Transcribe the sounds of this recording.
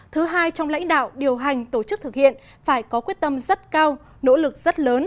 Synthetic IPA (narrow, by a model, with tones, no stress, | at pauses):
t̪ʰɨ˨˦ɦaː˧jt͡ɕɔ˧wŋ͡mla̰˧˥jŋ̟ɗa̰ː˧˨wɗi˨˩əwɦa˨˩jŋ̟t̪o˧˩t͡ɕɨ˦˥k̚t̪ʰɨ˨˩k̚hḭ˧˨ən | faː˧˩jkɔ˨˦kwi˦˥ət̚t̪ə˧mzə˦˥t̚kaː˧w | no̰˧˥lɨ˨˩k̚z̥ə˦˥t̚ləː˨˦n